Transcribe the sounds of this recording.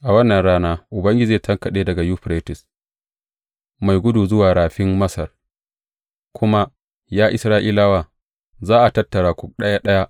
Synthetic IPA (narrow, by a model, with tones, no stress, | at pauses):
ʔa˨wɐ˦nːɐ˨nɽaː˦naː˦ʔʊ˨bɐ˦ŋɡʲɪ˦d͡ʒiː˨tʰɐ˦ŋkɐ˨ɗeː˦dɐ˨ɡa˨juː˦ɸɾeː˦tɪ˨s | ma˨jɡʷʊ˦duː˨zʊ˦waː˨ɽaː˨ɸɪ˦mːɐ˦sɐ˨r | kʷʰʊ˦ma˦ | jaː˦ʔɪ̰˨sɾaː˦ʔiː˦la˦waː˦˨ | zaː˦ʔa˨tɐ˦tːɐ˨ɽaː˨kʷʊ˦k̚ɗɐ˦ja˦ɗɐ˦ja˦ʔ